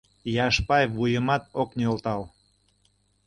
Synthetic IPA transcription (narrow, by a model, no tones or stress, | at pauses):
jɑʃpɑjvujəmɑt̪̚oknolt̪ɑl